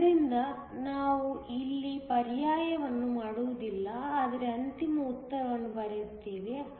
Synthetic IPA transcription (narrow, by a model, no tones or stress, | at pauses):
ɾind̪ɐ | naːʋuilːipɐɾjaːjɐʋɐnːumaːɽuʋud̪ilːɐaːd̪ɐɾeɐnt̪imɐut̪ːɐɾɐʋɐnːubɐɾet̪ːiːʋi